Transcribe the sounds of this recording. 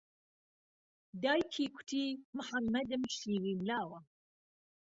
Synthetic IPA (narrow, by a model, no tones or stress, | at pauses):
d̪ɑːjkʰiːkʰʊ̥t̪ʰiːmʊħamːɐd̪ɨmʃiːwiːmlaːwɐ